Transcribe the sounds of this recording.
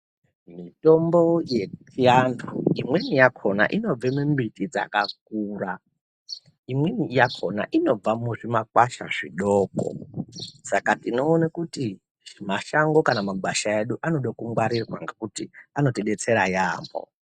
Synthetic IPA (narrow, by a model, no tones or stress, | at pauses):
mito̞mbo̞je̞tijandʰṵimwenijakʰona̰ʔino̞b͡vemumbitid͡za̰kak̚uːra | imwenijakʰona̰ʔino̞b͡vamuʐimakwaʃa̰ʐḭɗoːko̰sakatino̞ːnakuti | ʐimaʃaŋɡo̞kanamaɡaʃaeɗuʔano̞ɗokuŋɡwaɾirwa̰ŋɡekutiano̞teɗet͡se̞ɾajaːmbo̰